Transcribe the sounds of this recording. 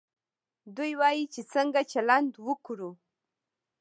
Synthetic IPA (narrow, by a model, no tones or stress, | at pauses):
d̪ujwɑjit͡ʃet͡səŋɡat͡ʃalant̪wəkuɾu